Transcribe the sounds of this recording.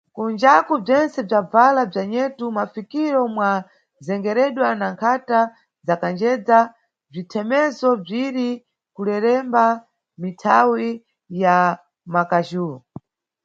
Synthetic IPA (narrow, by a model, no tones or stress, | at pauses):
kund͡ʒakub͡ʐɛnt͡sɛb͡ʐab͡valab͡ʐaɲɛtumafikiɾɔmwa | zɛŋɡɛɾɛɗwanaŋkʰata | zakand͡ʒɛd͡za | b͡ʐitʰɛmɛzɔb͡ʐiɾi | kulɛɾɛmba | mitʰawi | ja | makaʒuːɾɔ